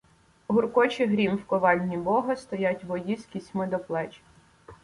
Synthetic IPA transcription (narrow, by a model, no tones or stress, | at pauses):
ɦʊrkɔt͡ʃɪɦɾʲimwkɔʋɑlʲːibɔɦɐst̪ɔjatʲʋɔjiskʲisʲmɪd̪ɔplˠɛt͡ʃi̥